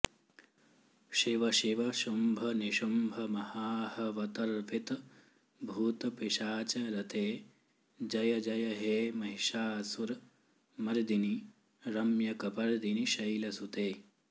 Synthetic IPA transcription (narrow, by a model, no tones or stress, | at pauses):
ʃiʋɐʃiʋɐʃumbʱɐniʃumbʱɐmɐhaːhɐʋɐt̪ɐɾʋit̪ | bʱuːt̪piʃaːt͡ʃɐɾɐt̪eː | d͡ʒɐjɐd͡ʒɐjɐɦeːmɐɦiʃaːsuɾ | mɐɾd̪ini | ɾɐmjɐkɐpɐɾd̪iniʃɐjlɐsut̪eː